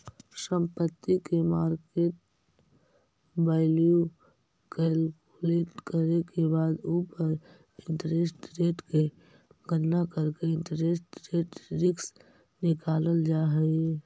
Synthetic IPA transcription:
sə̃mpət̪ːikemaːɾkeːʈ̚ | baɪliju | kɛlkuleːʈkəɾekebaːd̪uːpəɾ | ɪ̃nt̪ɾesʈɾeːʈke | ɡənːakəɾkeɪ̃nt̪əɾesʈɾeːʈɾɪks | nɪkaːləld͡ʒaːɦɛ

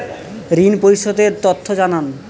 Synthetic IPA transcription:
ɾinpoɾiʃod̪eɾt̪ot̪ʰːod͡ʑanan

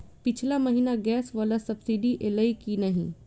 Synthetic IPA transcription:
pɪt͡ʃʰlamɐɦiːnaɡɛːsʋaːlasɐbsiɖiʔeːlaikinɐɦḭ̃

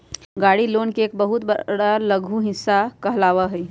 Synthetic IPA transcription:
ɡaːɽiloːnkeeːkbəɦʊt̪bəɽaləɡʱũɦɪsːakɐɦlaːʋaɦɛ

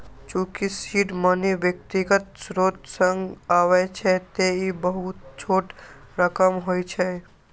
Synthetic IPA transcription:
t͡ʃũːkisiːʈməniʋjək̚t̪iɡət̪sɾoːt̪sə̃ŋɡaːʋet͡ʃʰet̪eibəɦut̪̚t͡ʃʰoːʈ | ɾəkəmɦoːjt͡ʃʰe

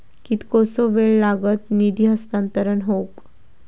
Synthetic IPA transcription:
kit̪kosoʋeɭlaɡət̪nid̪ʱiːɦəst̪ant̪əɾənɦok

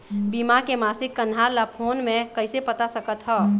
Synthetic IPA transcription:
bimakemasikːənʱaɾlapʰonmekəɪsepət̪asəkət̪ɦə

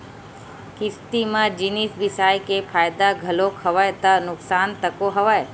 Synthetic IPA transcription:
kɪst̪imãd͡ʒinisbɪsaːjkepʰaːjd̪aɡʱəlokʰəʋajt̪ənʊksaːnt̪əkoɦɐʋaj

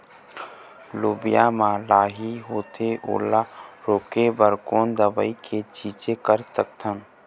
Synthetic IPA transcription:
luːbijamãlaːɦiɦoːt̪ʰeʔo̰ːlaɾoːkebəɾkoːnd̪əbə̰iket͡ʃiːt͡ʃekəɾsək̚t̪ʰə̃n

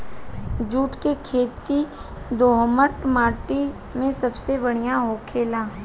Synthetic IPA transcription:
d͡ʒuːʈkekʰeːt̪i | d̪oːɦməʈmaːʈi | mẽsɐbsebɐɽ̤ijaɦoːkʰeːlaː

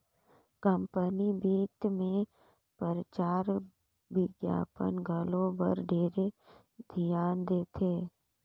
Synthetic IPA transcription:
kə̃mpənibiːt̪mẽ | pəɾət͡ʃaːɾ | ʋɪɡja̰ːpə̰nɡʱəlõbə̰ɾɖʱeːɾe | d̪ʱijaːnd̪eːt̪ʰeː

